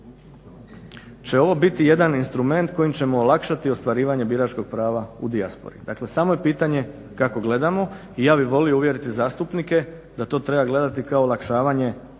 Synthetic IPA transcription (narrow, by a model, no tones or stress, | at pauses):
t͡ɕe̞o̞ʋo̞bit̪ije̞d̪aninst̪ɾume̞nt̪ko̞jimt͡ɕe̞moːlakʃat̪io̞st̪ʋaɾiːʋaɲe̞biɾat͡ʃko̞ɡ̥̚pɾaːʋaṵd̪iaspo̰ɾḭd̪akle̞saːmo̞jepiːt̪aɲe̞ | kako̞ɡle̞d̪amo̞ | ijaːbiʋo̞lijouʋje̞ɾit̪izaːst̪upnike̞ | d̪at̪o̞ːt̪ɾe̞baɡle̞d̪at̪ikaolˠakʃaːʋaɲe̞